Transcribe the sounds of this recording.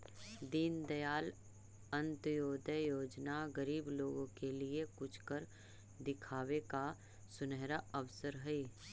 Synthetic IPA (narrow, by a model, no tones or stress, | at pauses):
d̪iːnd̪ɐjaːl | ə̃nt̪joːd̪əjoːd͡ʒnaɡɐɾiːbloːɡõkeliekʊt͡ʃʰkəɾ | d̪ɪkʰaːweka | sʊnɛɦɾaɐʋsəɾɦɛiː